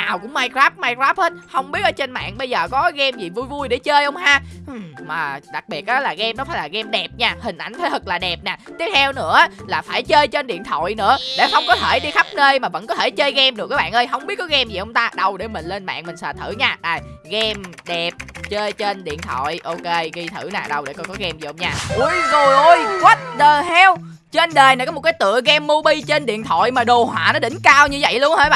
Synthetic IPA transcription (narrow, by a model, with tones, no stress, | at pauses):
naː˨˩wkʊ̰˧˥maː˧jkɾaː˦˥p̚maː˧jkɹaː˦˥p̚ə˧˦˥t̚hə˧wŋ͡mɓi˦˥ət̚ʔəː˧˦t͡ɕe˧nma̰ː˧˨ŋɓə˧jzəː˨˩kɔ˨˦ɣɛ˧mzi˨˩vu˧jvu˧jɗe˧˩˦t͡ɕəː˧jʔə˧wŋ͡mhaː˧ʔmaː˨˩ɗa˨˩k̚ɓi˨˩ət̚ʔaː˨˦laː˨˩ɣɛ˧mnɔ˨˦faː˧˨˦jlaː˨˩ɣɛ˧mɗɛ˨˩p̚ɲaː˧˩hï˨˩ŋ̟ʔa˧˩ŋ̟t̪ʰe˨˦t̪ʰə˨˩k̚laː˨˩ɗɛ˨˩p̚naː˨˩t̪i˦˥ət̚t̪ʰɛ˧wnɨ̰˧˥əʔa˨˦laː˨˩faː˧˩jt͡ɕəː˧jt͡ɕe˧nɗḭ˧˨nt̪ʰo̰˧˨jnɨ̰˧˥əɗḛ˧˩xə˧wŋ͡mkɔ˨˦t̪ʰe˧˩ɗi˧xa˦˥p̚nəː˧jmaː˨˩və̰˧˥nkɔ˨˦t̪ʰe˧˩jt͡ɕəː˧jɣɛ˧mɗɨ˨˩k̚ʔaː˨˦ɓa̰ː˧˨ʔəː˧jɦə˧wŋ͡mɓi˦˥ət̚kɔ˨˦ɣɛ˧mzi˨˩ʔə˧wŋ͡mt̪aː˧ɗə˧˩wɗe˧˩mï˨˩ŋ̟le˧nma̰ː˧˨ŋmï˨˩ŋ̟sa̰ː˧˨t̪ʰɨ˧˩ɲaː˧ɗaː˨˩jɣɛ˧mɗɛ˨˩p̚t͡ɕəː˧jt͡ɕe˧nɗḭ˧˨ənt̪ʰɔ̰˧˨jʔo˧ke˧ɣi˧t̪ʰɨ˧˩naː˨˩ɗə˨˩wɗḛ˧˩kɔ˨˦˩kɔ˨˦ɣɛ˧mzḭ˨ʔə˧wŋ͡mɲaː˧˩ʔu˧˩jzo˨˩jʔo˧jkwə˦˥t̚ɗə˨˩hɛ˧w | t͡ɕe˧nɗeː˨˩jnaː˨˩kɔ˨˦mo˨˩t̚kːaː˨˦jt̪ɨ̰˧˨əɣɛ˧mːo˧ɓi˧t͡ɕe˧nɗḭ˧˨ənt̪ʰwɔ̰˧˨jmaː˨˩ɗo˨˩hwa̰ː˧˨nɔ˨˦ɗï˧˩ŋ̟kaː˧wɲɨ˧və̰˧˨jləŋhəː˧˦jɓa̰˧˨